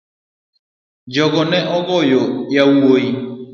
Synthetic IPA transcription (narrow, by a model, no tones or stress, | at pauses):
d͡ʒɔɡɔnɛʔɔɣɔjɔjauwoi